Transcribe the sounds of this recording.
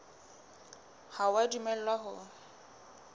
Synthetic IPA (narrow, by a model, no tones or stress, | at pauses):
hawadumɛl̩lwaɦʊ